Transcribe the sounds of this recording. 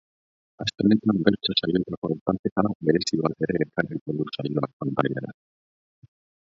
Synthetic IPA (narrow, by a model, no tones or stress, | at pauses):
ast̪ene̞t̪ambe̞ɾt͡ʃosajot̪akoawt̪ant̪et̪aaβe̞ɾe̞siβat̪e̞ɾe̞ːkarikoɣusajo̞ak̚ːond̪aja̰ɾa̰